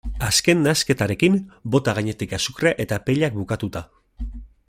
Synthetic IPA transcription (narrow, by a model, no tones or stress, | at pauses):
aske̞nd̪aske̞t̪aɾe̞kimbo̞t̪aɣaɲe̞t̪ikasukreaʔe̞t̪apeʎak̚bukat̪ut̪a